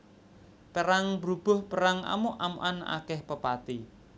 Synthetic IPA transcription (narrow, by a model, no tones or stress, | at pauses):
pəɾaŋbɾub̥ʊhpəɾaŋʔa̰mʊʔa̰muʔana̰kɛhpəpat̪i